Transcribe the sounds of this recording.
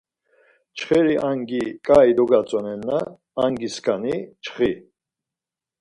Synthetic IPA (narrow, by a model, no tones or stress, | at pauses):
t͡ʃʰχɛɾiʔaŋɡikʼaid̪ɔɡat͡sʼɔnɛnːaː | ŋɡiskʰʼanit͡ʃʰχi